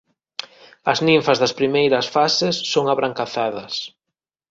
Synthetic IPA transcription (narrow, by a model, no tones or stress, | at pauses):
ɐznĩɱfɐzðɐspɾimejɾɐsfasesːoŋaβɾaŋkaθaðɐs